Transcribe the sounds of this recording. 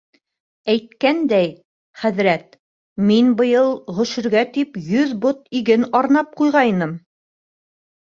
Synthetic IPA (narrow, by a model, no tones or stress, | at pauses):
æjt̪̚kænd̪æj | χæðɾæt̪̚ | minbɤ̆jɤlˠʁɵ̆ʃɘ̆ɾɡæt̪ipjɵðbot̪̚iɡɘnɑɾnɑp̚qujʁɑinɤm